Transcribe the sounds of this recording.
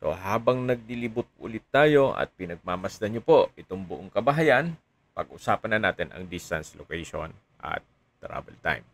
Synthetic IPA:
so̞̰ɦaːbɐŋnɐɡ̚lilɪbʊt̪̚ʔʊ̰lɪt̪ːaːjo̞ʔɐ̰t̪̚pɪnɐɡ̚maːmɐsd̪ɐɲopo̞ʔɪt̪oŋbʊʔoŋkɐbɐɦɐjɐn | pɐɡ̚ʔʊsaːpɐnːɐnaːt̪ɪnʔɐ̰ŋd̪ɪst̪anslokɛjʃo̰n | ʔɐ̰t̪̚ː | ɾa̰bɛlt̪a̰jm

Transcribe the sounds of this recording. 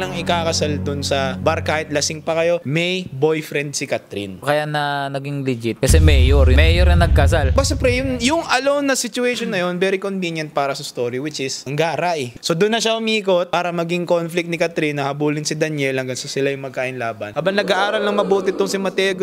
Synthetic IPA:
lɐŋɪkaːkɐsald̪ʊnsɐbɐɾkaːhɪt̪̚lɐsɪŋpɐkɐjo̞mɛjbojfɾɛnd̪̚sɪkɐt̪ɾḭnkɐjaʔnɐnɐɡiŋlɪd͡ʒɪt̪̚kɐsɛmɛjoɾmɛjoɾɐnɐɡ̚kɐs̬albɐsɛpɾɛjʊŋjʊŋʔɐlownːɐsɪt͡ʃʊɛjʃonːɐjo̞nbɛːɾikonvinjɐnt̪̚paːɾɐsɐst̪oːɾiwɪt͡ʃɪsʔɐŋɡaːɾaʔɛso̞d̪ʊnːɐʃaʔʊmiːko̞t̪̚paːɾɐmɐɡiŋkonflɪk̚t̪nɪkɐt̪ɾinːɐhɐbuːlɪnsɪd̪ɐnjɛlhɐŋɡɐŋsɐsɪlajʊŋmɐɡ̚kaːʔɪnlaːbɐ̰nʔaːbɐŋnɐɡaʔaːɾɐlnɐŋmɐbuːt̪ɪt̪ʊŋsɪmɐt̪ɛːɡo

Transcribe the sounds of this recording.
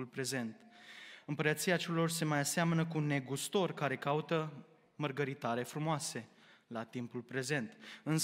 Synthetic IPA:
lpɾe̞ze̞nt̪ɨmpəɾət̪siat͡ʃe̞lo̞rse̞majaseamənəkune̞ɡust̪o̞rkaɾe̞kaut̪ə | mərɡəɾit̪aɾe̞fɾumoase̞ | lat̪impulpɾe̞ze̞nt̪ɨns

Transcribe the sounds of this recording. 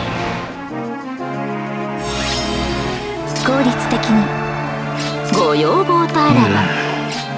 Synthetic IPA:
sɨ̥ko̞ːɾʲit͡sɨ̥t̪e̞kʲiɲi | ɡojoːboːt̪aɾaa

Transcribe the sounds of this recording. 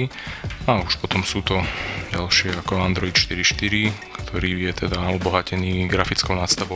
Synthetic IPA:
iauʃpɔt̪ɔmsuːt̪ɔɟalʃɪɛakɔand̪ɾɔit̪ʃt̪iɾiʃt̪iɾikt̪ʰɔɾiːjɛt̪ʰɛd̪aubɔɦacɛniːɡɾafit͡skɔʊnat̪st̪aʋɔ

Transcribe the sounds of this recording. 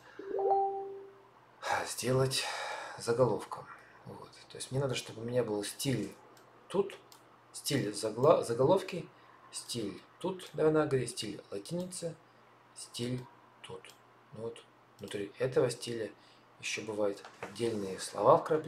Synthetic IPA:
zʲdʲe̞lˠətʲzəɡɐlˠo̞fkʰə | vo̞̰t̪t̪ːojɪsʲmnʲenad̪əʂt̪o̞bɨmʲnʲabɨlˠsʲtʲilʲ | t̪ut̪ | sʲtʲilʲzzəɡɐlˠo̞fkʲɪ | sʲtʲilʲt̪ut̪d̪anaɡəvɐɾʲit̪ʲsʲtʲilʲlˠɐtʲinʲɪt̪sɨ | sʲtʲilʲ | t̪ut̪ | nuvot̪ | vnʊt̪ɾʲiɛt̪əvəsʲtʲilʲə | jɪɕːobɨvajʊt̪ɐdʲːelʲnɨjəslˠɐ̰vafkɾɐpʲ

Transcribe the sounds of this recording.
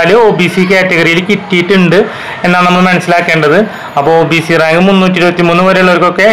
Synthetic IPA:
ɐluoːbiːsikaːtːeɣɐrijilkitːijiʈːuɳɖɨ | e̞nːaːɭnɐmːɐɭmɐnɐsːilaːkːe̞ːɳɖɐðɨ | ɐpːoːɭoːbiːsiraːŋɡɨmunːuːt̬ːiɾubɐt̪ːimuːnːɨʋɐɾeuɭːoɾkːo̞kːe̞

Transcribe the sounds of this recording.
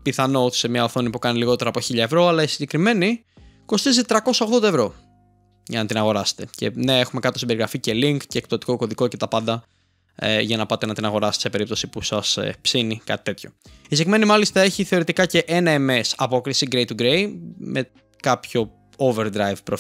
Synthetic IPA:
piθɐno̞̥semɲɐoθo̞nipukɐniliɣo̞t̪eɾɐːpo̞çiʎɐevɾo̞ɐlɐisiɲɟekɾime̞ni | ko̞st̪izit̪ɾɐko̞sɐo̞ɣðond̪ɐevɾo̞ | ʝɐ̰nɐt̪inɐɣo̞ɾɐse̥t̪e̞ce̞̰ne̞e̞xume̞kɐt̪osibe̞ɾiɣɾɐfice̞liŋkceːk̚t̪ot̪i̥ko̞ko̞ðiko̞ce̞t̪ɐpɐnd̪ɐ | ḛʝɐnɐpɐt̪enɐt̪inɐɣo̞ɾɐst̪ese̞peɾip̚t̪o̞sipusɐspsinikɐ̰t̪i̥t̪e̞t̪ço̞̥isekɾime̞nimɐlist̪ɐe̞çiθe̞o̞ɾit̪ikɐce̞ʔe̞nɐemesɐpo̞kɾisiɡɾe̞jt̪uɡɾejmʔe̞ | kɐpço̞ | ove̞ɾd̪ɾɐjvpɾo

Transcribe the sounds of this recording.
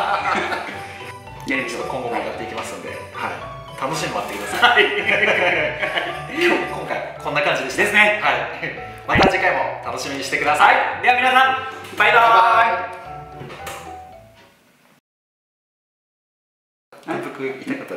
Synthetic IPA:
ɡ̪ẽit͡ɕot̪ːokõ̞ŋɡo̞miɡat̪ːe̞ikʲimasɨ̃nod̪e̞̰ | hai | t̪ʰano̞ɕimat̪ːeimasɨ̥a | kʰookõŋkajiakʰonːakãɲd͡ʑid̪eɕid̪esɨnehai | mainad͡ʑikaimo̞t̪ano̞ɕimʲiɲ̟iɕi̥t̪e̞kɯ̟d̪asajd̪e̞amʲinasãŋpaid̪oː | nãnt̪okɯ̟it̪akat̪ː

